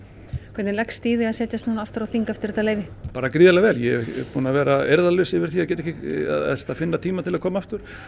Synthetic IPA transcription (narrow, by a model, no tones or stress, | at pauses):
kʰvɛt̪nlɛkst̪iːðɪaðsɛːt̪jast̪nanaft̪ʏɾaθiŋkaft̪ɪɾɛt̪aleːjvɪpaːɾakɾiːðalaavɛːljɛpʰuːnavɛːɾaɛɾðalʏsɪvɪɾ̥θiːaðcɛːt̪ɛçcɪa̰sɛ̥t̪afɪnːat̪ʰiːmat̪ʰɪlaðkʰɔːmaaft̪ʏɾ̥